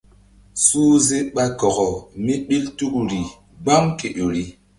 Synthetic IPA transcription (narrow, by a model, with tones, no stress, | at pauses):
suː˦ze˦ɓa˦kɔ˨ɣɔ˨mi˦ɗi˦ltu˦kɾi˨ | ɡ͡ba˦mke˨ɗo˨ɾi˦